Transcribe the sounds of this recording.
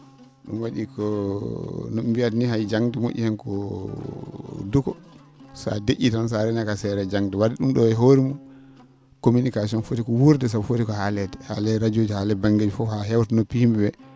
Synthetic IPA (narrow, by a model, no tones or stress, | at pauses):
ɗṵmwaɗikɔ | nɔmbiatnihajd͡ʒaŋdɛmo̰ʔʲːḭhɛnkɔ | dukɔ | sa̰deʔitansaɾɛnakasɛɾɛd͡ʒaŋdɛwadɛɗumɗɔɛɦoɾimɔ | kominikas̬iɔnfotikɔwuɾdɛsafotikɔhalɛdɛha̰lɛɾad͡ʒod͡ʒihalɛbaŋɡed͡ʒifɔhaɦɛwtɛnɔpihmɛbɛ